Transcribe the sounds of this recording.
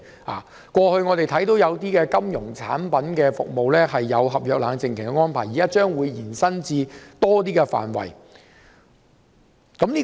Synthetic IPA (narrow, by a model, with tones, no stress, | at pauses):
a̰ː˨ | kʷɔː˧hɵ˧ɥŋɔː˨˧t̪e˨jt̪ʰɐ˨˥jt̪o˨˥wjɐ˨˧wt̪iː˥kɛː˧kɐ˥mjʊ˨˩ŋt͡sʰa̰ː˨˥npɐ˨˥nkɛː˧fʊ̰˨k̚mo˨wlɛː˥hɐ˨jːɐ˨˧wɦɐ˨p̚jœː˨k̚laː˨˧ŋt͡sɪ˨ŋkʰɪ˨˩ŋkɛ˧ŋɔː˥npʰaː˨˩jiː˨kaː˥t͡ʃœː˥ŋwuː˨˧jjiː˨˩nsɐ˥nt͡siː˧t̪ɔː˥t̪iː˥kɛ˧fa̰ː˨˩nwɐ̰˨˩j | kɐ˨˥mliː˥